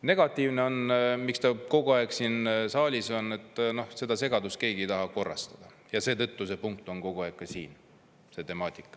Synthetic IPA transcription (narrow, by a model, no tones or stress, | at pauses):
ne̞ɡ̥ɑt̪ːˑiːvne̞o̞nmikst̪ɑko̞ɡuɑeɡsiːnsɑːlʲiso̞nːe̞t̪ːˑno̞hse̞d̪̥ɑse̞ɡɑd̪uske̞ːɡ̥iejt̪ɑɦɑko̞rːɑ̰st̪ɑ̥d̪̥ɑ | jɑse̞ːt̪ɤ̞t̪ːuse̞puŋk̚t̪ˑo̞ŋko̞ɡ̥uɑek̚ːɑsiːn | se̞t̪e̞mɑːt̪ʲˑi̥kˑːɑ̥